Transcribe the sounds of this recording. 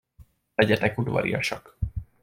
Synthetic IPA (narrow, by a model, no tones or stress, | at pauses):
ɛɟɛt̪ɛkud̪ʋɒ̰ɾḭjɒʃɒk